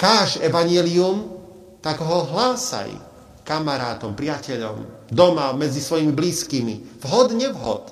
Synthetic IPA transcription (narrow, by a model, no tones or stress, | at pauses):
kaːʒɛʋaɲɪɛlium | t̪akɦɔɦlaːsa̰j | kamaɾaːt̪ɔmpɾɪacɛʎɔ̰m | d̪ɔmamɛd͡zisʋɔjimibliːskiːmivɦɔd̪ɲɛʋɦɔ̰t̪